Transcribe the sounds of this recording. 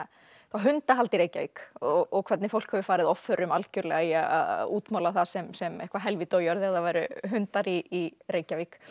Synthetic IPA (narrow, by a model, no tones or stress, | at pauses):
θaɦʏnt̪aɾɦalt̪iɾeːjcavikɔɣɔɣkʰvɛɾt̪nɪfow̪̥khɛvʏfaːɾɪðɔfːœɾʏmalcʏɾlɛɣaiaa̰ðuːt̪mawlaθasɛmsɛmḛhkvaɦɛlvɪt̪oːwjɔɾðɛðavaːjɾʏɦʏnt̪aɾiːɾeːjcavik